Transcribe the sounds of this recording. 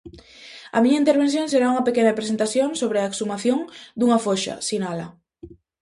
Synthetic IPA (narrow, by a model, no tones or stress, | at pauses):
a̰miɲaint̪eɾβen̟θjoŋseɾauŋɐpekenapɾes̬ent̪aθjõŋsoβ̞ɾeaeksumaθjõŋd̪uŋafoʃa̰sinala